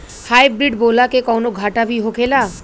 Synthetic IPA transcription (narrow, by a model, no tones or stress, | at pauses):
hajbɾiɖbolakekɔwnoɡʱaʈabiɦokʰela